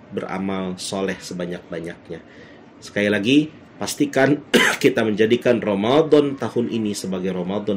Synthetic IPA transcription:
bəra̰malsolɛhsəbaɲak̚baɲak̚ɲa | sə̥kailaɡi | past̪ikankit̪aməɲd͡ʒadikanromadɔnt̪ahʊnʔinisəbaɡajɾomadɔ

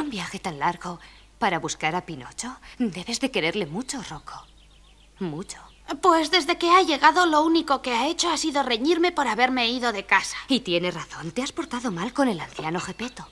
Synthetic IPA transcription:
umbjaxe̞t̪anlaɾɣo̞ | paɾaβuskaɾapino̞̰t͡ʃo̞d̪e̞βe̞zðe̞ke̞ɾe̞ɾle̞mut͡ʃo̞ro̞kʰo | mut͡ʃo̥ | pwe̞zðe̞zðe̞ke̞aʝe̞ɣ̞aðo̞lo̞uniko̞ke̞ae̞t͡ʃoasiðo̞re̞ɲiɾme̞po̞ɾaβe̞ɾme̞iðo̞ðe̞kasḁit̪je̞ne̞raθo̞nt̪easpo̞ɾt̪aðo̞malko̞ne̞lan̟θjano̞xe̞pe̞t̪o

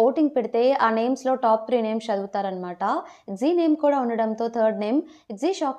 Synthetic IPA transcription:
oːʈiŋɡ̚piɽt̪eaːneːmsloːʈaːp̚t̪ʰɾiːneːmʃɐd̪uʋt̪aːɾɐnmaːʈaziːneːmkuːɽaonːiɽɐmt̪oːt̪ʰəːɾɖneːm | ziːʃaːk

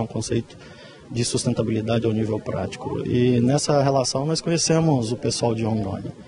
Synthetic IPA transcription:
ũkõsejt̪ʊ̥ | d͡ʒɪsust̪ẽnt̪abilid̪ad͡ʒɪawnivewpɾa̰t͡ʃi̥kʊ̰ɪ̰nɛsɐɦelasɐ̃w̃nɔskõɲesẽmʊzʊpesuawd͡ʒɪõnd̪õ̰ɲɐ

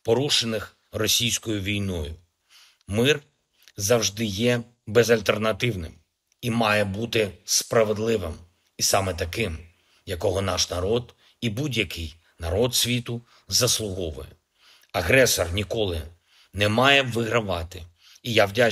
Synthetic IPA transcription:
pɔɾuʃenɪx | rɔsʲijsʲkɔjʊʋʲijnɔjʊ | mɪr | zɐwʒd̪ɪjɛ | bɛzɐlʲt̪ernɐt̪ɪwnɪ̰m | imɑjɛbut̪ɪspɾɐʋe̞d̪lˠɪʋɪm | isɑmɛt̪ɐkɪm | jɐkɔɦɔnɑʃnɐɾɔd̪ | ibudʲjɐkɪj | nɐɾɔd̪sʲʋʲit̪ʊ | zɐslˠʊɦɔʋʊ̰jɛ | ɐɦɾɛsɔrnʲikɔlˠɪ̰ | nɛmɑjɛʋɪɦɾɐʋɑt̪ɪ | ijawdʲa

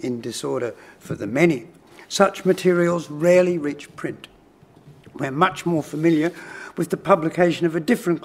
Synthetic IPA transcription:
ɨ̃ndɨsɔɹɾə˞ | fə˞ðɨmɛni | sʌt͡ʃmɨtʰɪɹil̩ˠzɹɛɹlˠiɹit͡ʃpʰɹ̥ɪ̃nt | wə̃mʌt͡ʃmɔɹfəmɪlˠjə˞wɨðɨpʰʌblɨkʰeɪʃɨ̃nʌvɨdɪfɹɨ̃nk

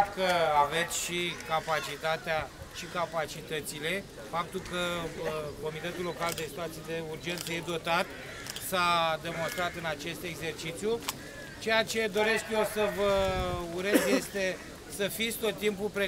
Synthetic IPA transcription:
kəave̞t̪sʲʃikapat͡ʃit̪at̪eaʃikapat͡ʃit̪ət̪sile̞ | fap̚t̪ulkə | ko̞mit̪e̞t̪ulo̞kald̪e̞sit̪uat̪sied̪e̞urd͡ʒe̞nt̪səjed̪o̞t̪at̪ | sad̪e̞mo̞nst̪ɾat̪ɨnat͡ʃe̞st̪e̞ɡze̞rt͡ʃit̪sju | t͡ʃe̞jat͡ʃe̞d̪o̞ɾe̞skjosəvəuɾe̞zje̞st̪e̞ | səfit̪sʲt̪o̞t̪ːimpupɾe

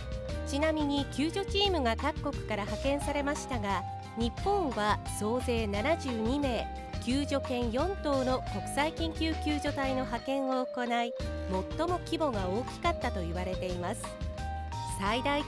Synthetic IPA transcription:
t͡ɕinamʲiɲ̟ikʲɨːʑo̞t͡ɕiːmɯ̟ɡakakːo̞kɯ̟̥kaɾahakẽ̞ɰ̃saɾe̞maɕi̥t̪aɡa | ɲ̟ipːõ̞ɰ̃βaso̞ːze̞ːnanaʑɨːɲ̟ime̞ː | kʲɨːʑo̞kẽ̞ɰ̃jõ̞nt̪o̞ːno̞ko̞kɯ̥saikʲĩŋkʲɨːkʲɨːʑo̞t̪aino̞ɦakẽ̞ɰ̃o̞ːko̞naimo̞t̪ːo̞mo̞kʲibo̞ɡao̞ːkʲi̥kat̪ːat̪o̞iβaɾe̞t̪e̞imasɨ̥ | said̪ai

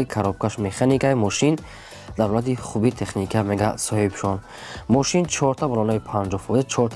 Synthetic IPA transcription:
ikʰaɾɔb̚kʰaʃmeχanikajmɔʃin | d̪̥avlat̪iχubit̪ʰe̞χnikʰameɡasɔhibʃɔn | mɔʃint͡ʃʰɔɾt̪ʰabɔlɔnaipʰand͡ʒɔfɔzit͡ʃʰɔɾt̪ʰ

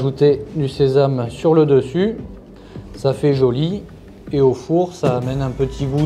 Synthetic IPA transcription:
ʒut̪ed̪ysezamsyʁləd̪əsy | safɛʒɔli | eofuʁsaːmɛnɛ̃pət̪ʰiɡu

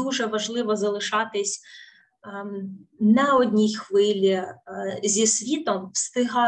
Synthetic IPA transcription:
uʒɛʋɐʒlˠɪʋɔzɐlˠɪʃɑt̪ɪsʲ | nɐɔdʲnʲijxʋɪlʲi | zʲisʋʲit̪ɔmst̪ɪɦɑ

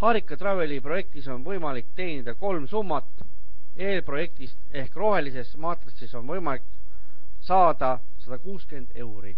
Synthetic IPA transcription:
hɑːɾikːˑɑt̪ɾɑve̞lipro̞je̞k̚t̪iso̞nvɤjmɑlikt̪e̞ːnid̪̥ɑko̞lmsumːɑt̪ːˑ | e̞ːlpro̞je̞k̚t̪ist̪e̞hkro̞ɦe̞lise̞smɑːt̪rɑsiso̞nvɤjmɑlik | sɑːd̪̥ɑ | sɑd̪ɑkuːskyend̪̥e̞wɾḭ

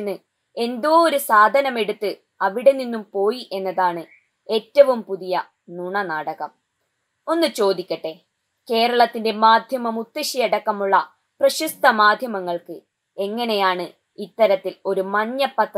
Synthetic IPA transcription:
nːɨ | e̞nd̪oːoɾusaːd̪ʱɐnɐme̞ɽut̪ːɨ | ɐʋiɽe̞ninːumpo̞ːjiʔe̞nːɐðaːɳɨ | e̞ːtːɐʋumpuðijɐ | nuɳɐnaːɽɐɣɐm | o̞nːɨt͡ɕo̞ːd̪ikʲːɐʈːe̞ | ke̞ːɾɐɭɐt̪ːinde̞maːd̪ʱjɐmɐmut̪ːeɕijeɽɐkːɐmuɭːɐ | prɐɕust̪ʰɐmaːd̪ʱjɐmɐŋːɐɭkɨ | e̞ŋːɐne̞jaːɳɨ | it̪ːɐɾɐt̪ːilo̞ɾumɐɲːɐpːɐt̪ː

